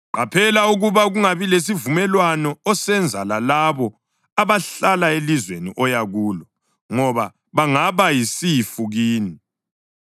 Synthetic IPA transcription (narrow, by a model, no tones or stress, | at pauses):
ǃapʰɛlauɣuβaɣuŋaβiles̬ivumɛlwanɔɔsɛnd͡zʱalalaβɔ | aβaɬalaelizwenḭʔɔjaɣuːlɔ | ŋɔβa | βaŋaβajisijifuɣiːni